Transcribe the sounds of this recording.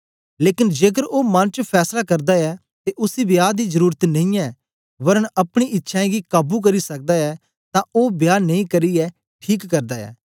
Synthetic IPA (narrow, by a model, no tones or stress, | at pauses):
leːkɪnd͡ʒeːɡəɾoːmɐnt͡ʃpʰɛːslakɐɾd̪aɛː | t̪eʔʊsibjaːd̪iːzəɾuːɾət̪nɐĩːɛː | ʋɐɾənɐpɽ̃iʔɪtːʃʰãɡiːkaːbuk̬ɐɾisɐk̚d̪aːɛː | t̪ãːʔoːbjaːnɐĩkəɾiɛː | ʈʰiːkːəɾd̪aːɛ̰ː